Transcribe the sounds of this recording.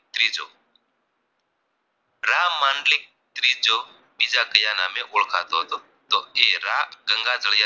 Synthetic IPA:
t̪ɾiːd͡ʒo̰ː | ɾaːmãːɳɖlɪk̚ | t̪ɾiːd͡ʒoː | biːd͡ʒakəjaːnaːmeʔʊɭkʰa̰ːt̪oːɦt̪oː | t̪oːeɾaːɡəŋɡaːd͡zəɭja

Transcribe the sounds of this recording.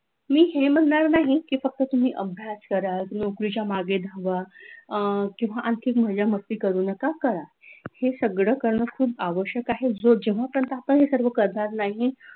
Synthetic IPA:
miːɦem̤əɳːaɾnaɦikiːfək̚t̪ət̪um̤iːʔəbʱjaskəɾanokɾit͡ɕjamaɡed̪ʱəʋa | kĩw̃ʋaʔant̪ʰiːkməd͡zaməst̪iːkəɾuːnəkakəɾa | hesəɡɽəkəɾɳəkʰuːbaʋəɕjəkaɦed͡zod͡ʑeʋ̤apəɾənt̪əapə̃nɦesəɾʋəkəɾd̪aɾnaɦi

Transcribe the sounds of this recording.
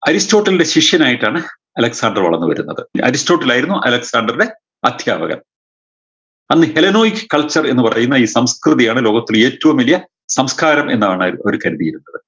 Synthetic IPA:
ɐɾisto̞ːʈːɐlide̞ɕiʂjɐnaːjiʈːaːɳɨ | ɐlɐksaːɳdɐrʋɐ̰ɭɐnːuʋɐ̰ɾunːɐ̰ðɨɐ̰ɾistoːʈːɐlaːjiɾunːuʔɐ̰lɐksaːɳɖɐrde̞ | ɐd̪ʱja̰ːbɐɣɐ̰m | ɐnːɨhe̞lɐno̞ːjikːɨ̥kːɐɭt͡ɕːɐre̞̰nːɨpɐrɐ̰junːɐiːsɐmskrɨðijaːɳɨlo̞ːɡɐt̪ːile̞ːtːɐʋumʋɐlijɐ | sɐmskaːɾɐmenːaeɳɨo̞ɾukɐɾiðijiɾunːɐðɨ

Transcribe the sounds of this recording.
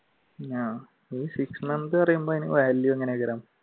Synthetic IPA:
aː | iːsiksmɐnd̪ɨpɐrɐjumboːinḭʋaːlːjueŋːɐneɡɐɾaːm

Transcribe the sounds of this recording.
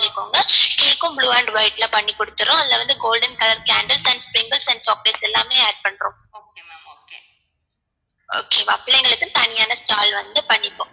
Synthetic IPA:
ɪkːoːŋɡɐʈiːkːʊ̃mbluːɐɳɖʋɐɪʈlɐpɐɳːikːɔɽɯt̪ːɯɾʊ̃ɐðɪlɐʋɐnd̪ɯɡoːlɖɐnkɐlɐɾkaːɳɖɐlsɐɳɖspɾɪŋɡɐɭsɐnɖt͡ʃɔːk̚ʈɐɾsɛlːaːmeːaːɖ̚pɐɳɾʊ̃ː | ooke | o̰ːkeːʋɐ̰ːplɛŋɡɐɭɯkːɯ̃t̪ɐnɪjaːnɐsʈaːlʋɐnd̪ɯpɐɳːɪkːõ

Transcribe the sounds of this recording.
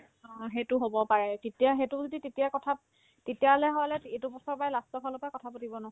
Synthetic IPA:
ɔɦetʊɦobɔpaɹɛtetijaɦetʊzoditetijakɔtʰap̚ | tetijalɛɦɔjlɛtetʊbɔsɔɹpajlastɔbʰʱalɔpakɔtʰapatibɔnɔɔ

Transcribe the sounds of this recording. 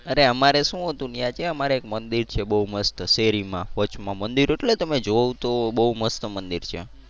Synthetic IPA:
əɾeəmaɾeʃũɦət̪ũnijãt͡ʃʰeəmaɾeːkmənd̪iɾt͡ʃʰebəɦuməst̪əseɾimãʋət͡ʃmãmənd̪iɾoeʈlet̪əmed͡ʒoʋt̪obəɦuməst̪əmənd̪iɾt͡ʃʰḛ

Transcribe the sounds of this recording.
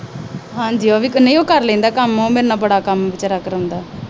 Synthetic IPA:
ɦãːɲd͡ʒiːaːʋiːkənːeoːkəɾlɛ̃ːnd̪aːkəmõːmeːɾnaːbəɽaːkəmʋɪt͡ʃːɾaːkəɾə̃nd̪aː

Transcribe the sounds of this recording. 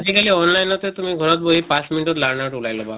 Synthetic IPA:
ad͡ʑikaliɔnlajnɔt̪et̪umiɡʱɔɾɔt̪boɦipat͡sminiʈɔt̪laɽnaʈulajlɔba

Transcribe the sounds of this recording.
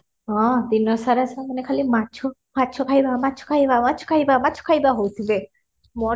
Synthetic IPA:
ɦɔ̃d̪inɔsaɾasamənekʰalimat͡ʃʰomatːt͡ʃʰokʰaibamatːt͡ʃʰo̥kʰaibamatːt͡ʃʰo̥kʰaibamat͡ʃʰo̥kʰajbaɦowt̪ʰibe | mɔ

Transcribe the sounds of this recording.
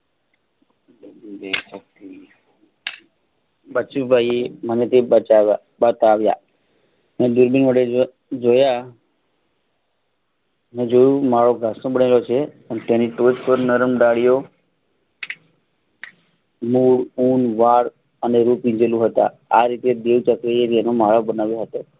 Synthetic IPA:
desək̚t̪i | bət͡ʃibajem̤əɳd͡ʒet̪ebəa | bət̪aʋja̰ | məd̪uɾbinʋəɽe | d͡zoja | mẽd͡ʒojumaɭoɡʱasnõbəɳelot͡ʃʰe | ənet̪janiʈod͡ʒpəɾnəɾəmɖ̪aɽijo | muːɽuːnʋaɽ | əneɾupĩd͡ʒelũɦət̪a̰ | a̰ɾit̪ed̪eʋt͡ʃəkɾejeɾjanomaɭabənaʋjoɦət̪o

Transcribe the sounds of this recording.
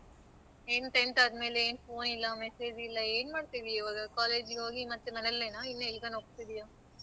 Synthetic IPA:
eːnʈeɳʈaɐd̪me̞ːleeːnpoːnilːɐmese̞ːd͡ʒilːɐeːnmaːɽt̪iːʋiːʋaːɡɐkaːleːd͡ʒɡeɦoːɡimɐt̪ːumɐnɛlːenainːelɡɐnoːk̚t̪id̪ijaː

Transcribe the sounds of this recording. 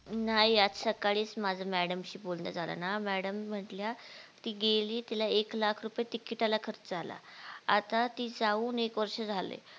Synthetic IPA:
najjat̪səkaɭiːsmad͡zʱamæɽəmɕiːbolnə̰d͡zʱala̰namæɽəm̤ːəʈljat̪iːɡeliːt̪alaeklakʰɾupjet̪ikiʈalakʰəɾət͡sd͡zala̰a̰t̪at̪iːd͡zauːnekʋəɾʂəd͡zʱalḛ

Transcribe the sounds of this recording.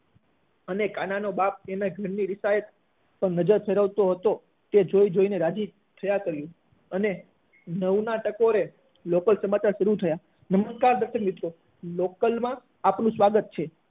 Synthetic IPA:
ənekananobap̚enaɡʱəɾniɾɪsajət̪ | pəɳnəd͡ʒəɾfʰeɾəʋt̪oɦət̪o | t̪ed͡ʒoid͡ʒoineɾad͡ʒi | t̪ʰəjakəɾjũ | əne | nəʋnaʈəkoɾe | lokəlsəmat͡ʃaɾʃəɾut̪ʰəja | nəməskaɾd̪əɾʃəkmit̪ɾo | lokəlmã | apnũsʋaɡət̪̚t͡ʃʰe

